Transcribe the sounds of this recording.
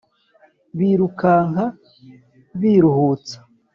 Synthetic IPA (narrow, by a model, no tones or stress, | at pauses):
βiɾukaːŋha | βiɾuhuːt͡sḁ